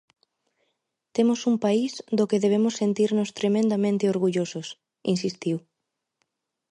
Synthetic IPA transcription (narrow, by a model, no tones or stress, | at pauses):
t̪emosumpaisd̪okeðeβemʊsːent̪iɾnost̪ɾemẽnd̪amẽnt̪ɪoɾɣuʎosos | insist̪iw